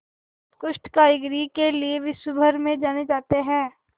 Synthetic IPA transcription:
kʊʃʈkaːɾɪɡɾikelieʋɪsʊbʱəɾmẽd͡ʒaːned͡ʒaːt̪eɦɛ̃ː

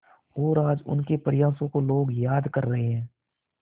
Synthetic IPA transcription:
ɦoːɾaːd͡ʒʊ̰nkepəɾɪjaːsõkoloːɡjaːd̪kɐɾːɐɦeɦɛ̃ː

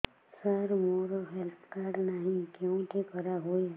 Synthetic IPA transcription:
səɾmoːɾoɦelp̪ʰkaɾnaɦĩkjõt̪ekəɾaɦoi

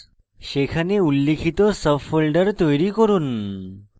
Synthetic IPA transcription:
ɕekʰaneulːekʰit̪ɔsəfolɖəɾt̪ɔjɾikɔɾuːn

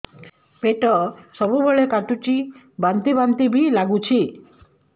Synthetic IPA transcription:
peʈɔsɔbubʱeɭekaʈut͡ʃi | bant̪ibant̪ibʱilaɡut͡ʃʰi

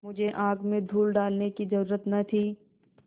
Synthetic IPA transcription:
mʊd͡ʒʱeʔãːɡmẽd̪ʱuːlɖaːlnekizɐɾuːɾət̪nɐt̪ʰiː

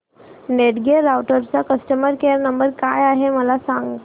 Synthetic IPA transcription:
neʈɡeɾawʈəɾt͡sakəsʈəməɾkeəɾnəmbəɾkajaɦeməlasaŋɡ

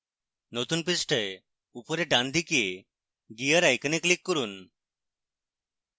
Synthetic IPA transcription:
not̪uːnpisʈəj | upəɾeɖãnd̪ʱikie | ɡijəɾajkəneklikːəɾuːn

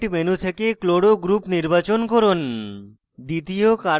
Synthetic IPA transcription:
ʈmenut̪ʰekekloɽoɡɾupniɾbat͡ɕonkoɾon | d̪it̪ijoka

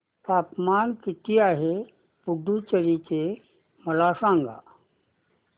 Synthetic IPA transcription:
p̪aːpmaːnkit̪iaːɦe | puɖʱut͡ʃəɾit͡ɕe | mɐlasãːŋɡa̰ː

